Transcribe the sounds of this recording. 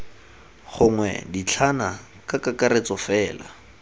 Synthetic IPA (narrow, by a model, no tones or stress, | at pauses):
χʊŋwɛ̰dit͡ɬʰana | kakakaɾet͡sɔfɛːla̰